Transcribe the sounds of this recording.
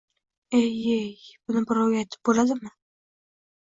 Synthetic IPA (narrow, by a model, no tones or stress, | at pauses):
ejejb̥ʊnɪbɪɾawɡʲajt̪ʰɪ̥p̚bolad̪ɪmɪ